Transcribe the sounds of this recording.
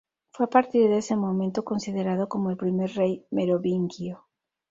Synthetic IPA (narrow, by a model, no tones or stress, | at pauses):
fojapaɾt̪iɾðesemomẽnt̪okonsiðeɾað̞okomoelpɾimejɾrejmeɾoβiŋkjo